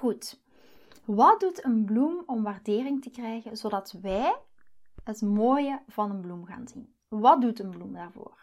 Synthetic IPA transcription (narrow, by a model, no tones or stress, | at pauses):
ɣut | ʋɑt̚dutənblumɔmʋaːrdeːrɪŋtəkrɛjɣənzodɑtʋɛj | ɦətmoːjəvɑnənblumɣa̰ːnzin | ʋɑt̚dutənblumdaːrvo̰ːr